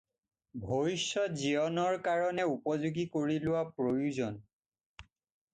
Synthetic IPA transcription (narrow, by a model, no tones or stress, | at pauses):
bʱoisɔziɔnɔɹkaɹɔnɛupɔzuɡikoɹilʊwapɹojuzɔn